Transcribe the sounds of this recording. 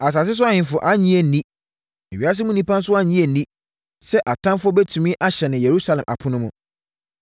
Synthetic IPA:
a˨s̬a˨s̬ɪ˦s̬ʊ˦a˦hɪ̃˨nfʊ˨ʔa˦ɲĩ˦e˨nĩ˦ | ɛ˨ɥa˦s̬ɪ˦mũ˦nĩ˦pʰã˦n˦sʊ˦a˦ɲĩ˦e˨n̩˨nĩ˦ | sɛ˦ʔa˨tʰã˦mfʊ˦ɔ˦be˦tʰũ˨mĩ˦ʔa˦ɕɛ˨nɪ̃˨je˨ɾu˦sa˦lɛ̃˨mʔa̰˨pʰʊ̃˦nʊ̃˦mũ˦

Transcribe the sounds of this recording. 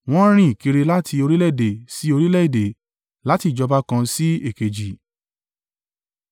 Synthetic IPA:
w̃ɔ̃˦ɾ̃ĩ˦˨ki˧ɾe˧la˦tʰi˧o˧ɾi˦lɛ˦i˨de˨si˨˦o˧ɾi˦lɛ˦i˨de˨ | la˨˦ti˦˨d͡ʒɔ˧ba˦kã˧si˦e˦˨ke˨d͡ʒi˨

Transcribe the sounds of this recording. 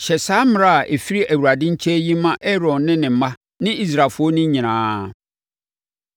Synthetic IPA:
ɕɛ˨saː˦mɪ̃˦ɾa˦˨ʔe˨fi˦ɾi˦ʔæ˨wu˨ɾa˨dɪ̃˦ɲ̩˦t͡ɕʰɛ˦jĩ˦mã˦ʔɛ˦ɾɔ̃˨nːɪ̃˦nɪ̃˨m̩˦mã˦ | nɪ̃˦i˦s̬ɾa˨fʊ˦ɔ˦nɪ̃˦ɲĩ˨nãː˨˦

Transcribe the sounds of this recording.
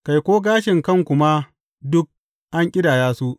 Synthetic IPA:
ka˨jkʷoː˦ɡaː˦ʃɪ˨ŋkɐ˦˨ŋkʷʊ˦ma˦ | dʊ˦k̚ | ʔa˦ŋkʲʼɪ˦daː˨jaː˦su˦ʔ

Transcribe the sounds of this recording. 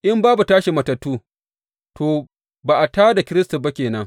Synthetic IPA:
ʔɪ˦mbaː˦bu˨taː˦ʃi˨mɐ˨tɐ˨tːuː˦ | toː˨ | ba˨ʔa˨taː˦da˨kʲɪ˦ɾɪ˦sta˨ba˦kʲeː˨nɐ˦ŋ

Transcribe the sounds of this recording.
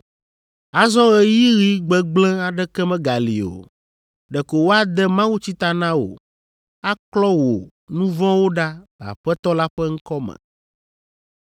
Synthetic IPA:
a˨zɔ̃˦ɣɛ˦˨ji˦ɣi˦ɡ͡bɛ˨ɡ͡blɛ̃˦a˨ɖɛ˦kɛ˦mɛ̃˦ɡa˨lḭ˨o̰˨ | ɖɛ˨ko˨wo˦a˦d̪ɛ˦mã˦wu˦t͡ɕi˦t̪a˨nã˦wo̰˨ | a˦klɔ˦wo˨ | nũ˦vɔ̃˦wo˦ɖa˦a̰˨ɸɛ˦t̪ɔ˦la˦ɸɛ˦ŋ̩˦kɔ˦mɛ̰̃˨

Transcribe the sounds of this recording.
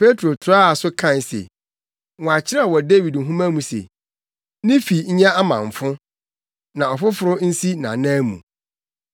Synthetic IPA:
pʰe˦tʰɾo˨tʰʊ˨ɾa˦a˨sʊ˦kʰã˦˨n˨sḛ˨ | wɔ̃˨a˨t͡ɕʰɪ˦ɾa˦˨wɔ˨de˦wi˨dŋ̩˨ɦũ˦mã˦mũ˨sḛ˨ | nɪ̃˦fi˨ɲ̩˦ɲɛ̃˦a˦mã̰˨ɱ˨fʊ̃˦ | nã˨ɔ˨fʊ˦fʊ˨ɾʊ˦n̩˦si˦nã̰˨nã˦mṵ̃˨

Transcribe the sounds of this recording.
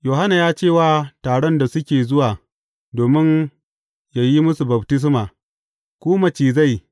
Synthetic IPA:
joː˨ɦa˦na˨jaː˦t͡ʃeː˦˨waː˦taː˨ɽɔ˦nda˨sʊ˦kʲeː˨zʊ˦waː˨ | doː˨mɪ˦ɲ | ja˨ji˦mʊ˦su˨bɐ˨btɪ˦s̬maː˨ | kʷuː˦mɐ˨t͡ʃiː˨za˦˨j

